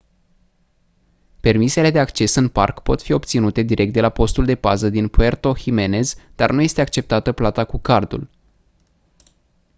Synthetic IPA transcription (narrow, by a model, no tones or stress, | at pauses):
pe̞rmise̞le̞d̪e̞akt͡ʃe̞sɨnpa̰rkpo̞t̪fio̞p̚t̪sinut̪e̞d̪iɾʔkt̪̚d̪e̞lapo̞st̪uld̪e̞pazəd̪inpue̞rt̪o̞hime̞ne̞zd̪arnuje̞st̪e̞ak̚t͡ʃe̞p̚t̪at̪əplat̪akukard̪ṵl